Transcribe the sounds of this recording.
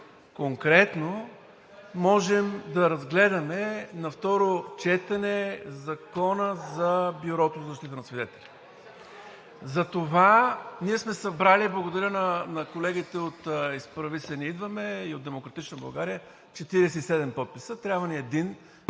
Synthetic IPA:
koŋkɾɛt̪no | mɔʒɛmd̪ɐɾɐzɡlɛd̪ɐmɛnɐft̪ɔɾot͡ʃɛt̪ɐnɛzɐkɔnəzɐbjuɾɔt̪ozɐzɐʃt̪it̪ənɐsvid̪ɛt̪ɛlʲi | zɐt̪ovaniɛsmɛsɐbɾaliblˠɐɡod̪ɐɾʲənɐnɐkolɛɡit̪ɛot̪ispɾɐvisɛniid̪vəmɛiod̪ɛmokɾɐt̪it͡ʃnəbɐlˠɡaɾijə | t͡ʃɛt̪iɾɛsɛisɛd̪ɛmpɔt̪̚pisət̪ɾʲabvɐniɛd̪in

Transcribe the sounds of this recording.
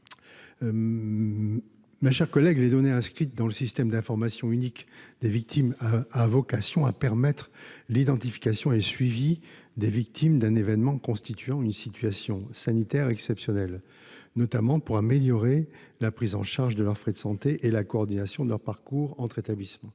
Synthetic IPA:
meʃɛʁkɔlɛɡled̪ɔneɛ̃skχit̪̚d̪ɑ̃ləsist̪ɛmd̪ɛ̃fɔʁmasjɔ̃ynikd̪evik̚t̪ʰimaavɔkasjɔ̃apɛʁmɛt̪χlid̪ɑ̃t̪ifi̥kasjɔ̃eləsɥivi | d̪evik̚t̪ʰimd̪ɛ̃nevɛnmɑ̃kɔ̃st̪it̪ʰɥɑ̃ynsit̪ɥasjɔ̃sanit̪ɛʁɛksɛpsjɔnɛl | nɔt̪amɑ̃puʁameljɔʁe | lapχizɑ̰̃ʃaʁʒd̪əlœʁfχɛd̪əsɑ̃t̪eʔelakɔːʁd̪inasjɔ̃d̪əlœʁpaʁkuʁɑ̃t̪χet̪ablismɑ̃

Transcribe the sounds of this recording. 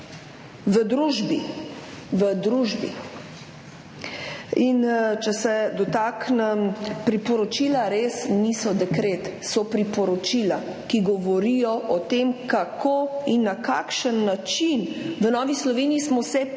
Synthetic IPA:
ʋəd̪ɾuʒbi | ʋəd̪ɾuːʒbḭ | int͡ʃɛsɛd̪ɔt̪aːknɛmpɾipɔɾɔt͡ʃiːlaɾesnisɔd̪ɛkɾet̪sɔpɾipɔɾɔt͡ʃila | kiɡɔʋɔɾijɔʔɔt̪emkakʰoinːaka̰ːkʃənːat͡ʃinʋənɔːʋislɔʋeːnijismɔsɛ

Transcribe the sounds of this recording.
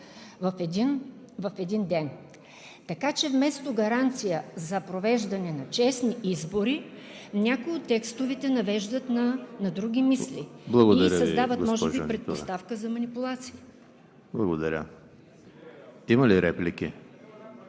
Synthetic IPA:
vɐfd̪in | vɐfɛd̪ind̪ɛn | t̪ɐkat͡ʃɛvmɛst̪oɡɐɾant̪sijəzɐpɾovɛʒd̪ɐnɛnɐt͡ʃɛsniʔizboɾi | nʲakʊjot̪ːɛkst̪ovit̪ɛnɐvɛʒd̪ət̪nɐnɐd̪ɾuɡʲimisliblˠɐɡoiɐɾəsɐzd̪avət̪mɔʒɛʒbipɾɛt̪ost̪afkəzɐmɐnipʊlˠat̪siː | blˠɐɡod̪ɐɾʲə̰ | imɐliɾɛplikʲḭ

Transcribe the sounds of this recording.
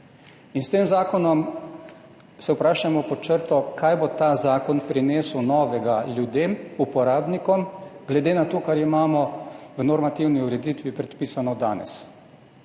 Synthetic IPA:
inst̪eːmzaːkɔnɔm | sɛwpɾaːʃamɔpɔt͡ʃəɾt̪ɔkaːjbot̪aːzaːkɔnpɾineːswnɔːʋɛɡaljud̪eːmupɔɾaːbnikɔmɡlɛd̪eːnat̪oːkaɾimaːmɔwnɔɾmat̪iwniuɾɛd̪it̪ʋipɾɛt̪piːsanɔd̪a̰ːnɛ̰s

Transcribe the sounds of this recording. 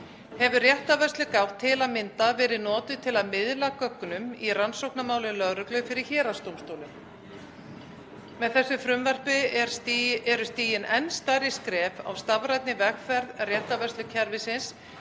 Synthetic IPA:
hɛvʏrjɛht̪avɛst̪lʏkawht̪ʰːɪlaðmɪnt̪avɛːɾɪðnɔːt̪ʏt̪ʰɪlaðmɪðlakœkːʏnʏmiransowknamaːwlʏnlœɣɾʏklʏfɪɾɪɾ̥çɛːɾast̪owmst̪oːwlʏm | mɛðθɛsːʏfɾʏmvɛr̥pɪɾɛɾʏst̪iːjɪnɛnst̪aːɾɪskɾɛːva̰wst̪avɾajt̪nɪvɛxfɛɾðrjɛht̪avɛst̪lʏcʰɛɾvɪsɪns

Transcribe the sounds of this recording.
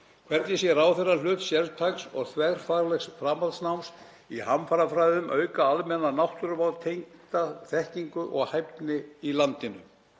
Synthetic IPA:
kʰvɛɾt̪nɪsjɛɾawθɛrːalʏːt̪sjɛlðt̪ʰajksɔɣθʰvɛɣɾ̥faɾlɛxsfɾaːmaðsnawms | ihamfaɾafɾajðʏmʔœːɥkaalmɛnanawht̪ʏɾʏvawðt̪ʰejŋt̪aθɛhciŋkʏʔɔɣhajpt̪nɪilant̪ɪnʏm

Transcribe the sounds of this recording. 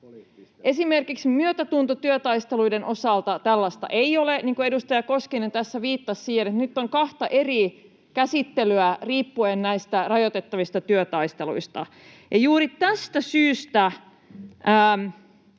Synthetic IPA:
ʔe̞simerkiksmyøt̪æt̪unt̪ot̪yøt̪ɑist̪eluidenʔo̞sɑlt̪ɑt̪ælːɑst̪ɑ̰ʔeioleniːŋkoe̞dust̪ɑjɑkoskenet̪æsːæʋiːt̪ːɑssiːhenet̪nyt̪ːoŋkɑht̪ɑʔeri | kæsit̪ːelyæriːpːuennæist̪ærɑjot̪et̪ːɑʋist̪ɑt̪yøt̪ɑist̪eluist̪ɑ̰ | jɑjuːɾit̪æst̪æsyːst̪æ | əːm

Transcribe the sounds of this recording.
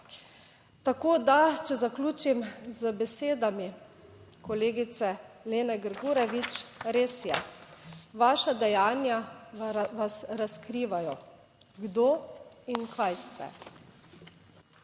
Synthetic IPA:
t̪akoːd̪at͡ʃɛzakluːt͡ʃimzəbɛseːd̪ami | kɔleːɡit̪sɛleːnɛɡəɾɡuːɾɛʋit͡ʃɾeːsjɛ | ʋaːʃad̪ɛjaːnja | ʋasɾaskɾiːʋajɔ | ɡd̪oinkʰajst̪ɛ̰

